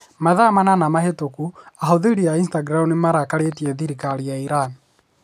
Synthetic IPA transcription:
maðamananamahetokuaɦoðeɾiainstaɡɾamunimaɾakaɾetiɛðiɾikaɾijaiɾani

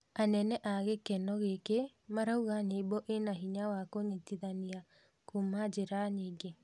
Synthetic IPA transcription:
anɛnɛʔaɣekɛnɔɣeke | maɾauɣaɲebɔʔenaɦiɲawakoɲitiðania | kumad͡ʒeɾaɲiːɡe

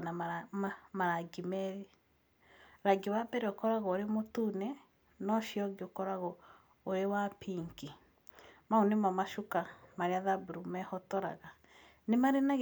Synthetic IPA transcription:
naamaɾaɡimɛɾe | ɾaɡiwabɛɾeɔkɔɾaɣɔoɾemotunɛ | nɔʃiɔɡeokɔɾaɣɔ | oɾewapiŋki | maunemamaʃukamaɾeaðabuɾumɛhɔtɔɾa̰ɣa | nemaɾenaɣ

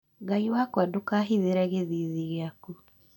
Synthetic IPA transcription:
ɡaiwakwadokaːɦiðeɾaɣeðiðiɣeaku

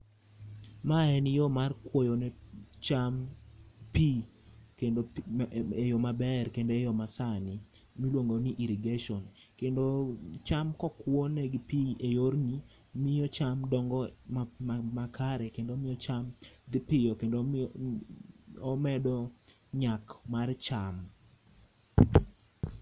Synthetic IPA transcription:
maɛnɪjomarkwojonɛt͡ʃam | pi | kendo | ejomabɛrkendoejɔmasanɪ | milwoŋɡoniʔiɾiɡeʃɔn | kendot͡ʃamkɔkwɔnɛɡipiejoɾni | mɪjɔt͡ʃamdɔŋɡɔamakʰaɾɛkendoːmɪjɔt͡ʃamd̪ɪpɪjɔkendo | ɔmɛdɔ | ɲakmart͡ʃam

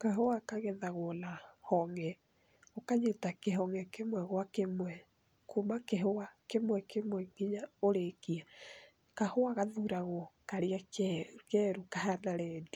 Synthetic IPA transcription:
kaɦoakaɣɛðaɣwɔnahɔŋɛ | okaɲetakeɦɔŋɛkemwɛɣwakemwɛ | kumakeɦoakemwɛkemwɛŋɡiɲaoɾekia | kahoaɣaðuɾaɣwɔkaɾeakɛɾukahanaɾɛdi

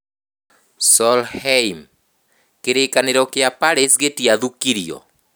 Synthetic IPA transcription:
sɔlhɛim | keɾekaneɾɔkeapaɾesɣetiaðukiɾiɔ̰

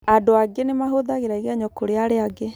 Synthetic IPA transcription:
adoaɡenemaɦoðaɣeɾaiɣaɲɔkoɾeaɾeaɡe

